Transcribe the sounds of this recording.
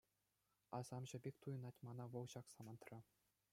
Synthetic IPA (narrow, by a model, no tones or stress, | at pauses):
ɑzɑmʑɘ̆bʲekʲt̪ujɤ̆nɑtʲmɑnɑʋɤ̆lˠɕɑksɑmɑnt̪rɤ̆